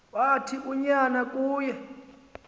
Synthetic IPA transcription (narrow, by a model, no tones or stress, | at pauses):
watʰiʔuɲanakʼuːjɛ